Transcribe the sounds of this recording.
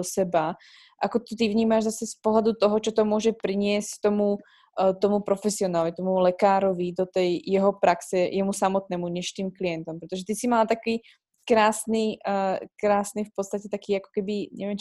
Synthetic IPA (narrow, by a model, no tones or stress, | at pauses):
osɛba | ʔakot̪ot̪ivɲiːmaʒzasɛspoɦlad̪ut̪ɔɦɔt͡ʃɔt̪omwɔʒɛpɾiɲɪɛstt̪omu | t̪omupɾofɛsiɔnaːlvit̪ɔmulɛkaːɾovid̪ot̪ɛjːɛɦɔpɾaksɛjʔɛmusamɔt̪̚nɛːmuɲɛʃt̪iːmklijɛnt̪ɔmpɾɛt̪oʒɛt̪isimalat̪akiː | kɾaːsnikɾaːsnifpot̪st̪acɛt̪akiːako̥kɛbiɲɛ̰vjɛm